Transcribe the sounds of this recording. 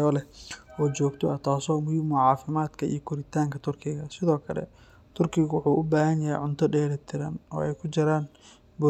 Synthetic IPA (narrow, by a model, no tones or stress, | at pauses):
ɔːlɛɔːt͡ʃɔːɡt̪ʰɔɐt̪ʰaːsɔːmʊhiːmʊʕɑːfɪmaːd̪kʰɐʔḭjɔkʰʊɾɪt̪ʰaːŋkʰɐt̪ʰʊrkʰɪɣɐsɪðɔːkʰɐlɛ̰ | t̪ʰʊrkʰɪɣʊwʊħuːʔʊbaːhɐnjɐhɛ̰jʕʊnt̪ʰɔɖɛːɾɛt̪ʰɪɾɐnɔ̰ːɛjkʰʊt͡ʃɪɾaːn | bʊ